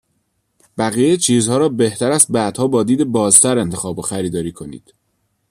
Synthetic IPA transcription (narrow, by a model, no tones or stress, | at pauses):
bæɣijejt͡ʃʰiːzhɒːɾɒːbe̞ht̪ʰæɾæs̚bæd̪̥hɒːbɒːd̪iːd̪ebɒːzt̪ʰæɾe̞nt̪ʰexɒːboxæɾiːd̪ɒːɾiːkʰo̞nḭːd̪̥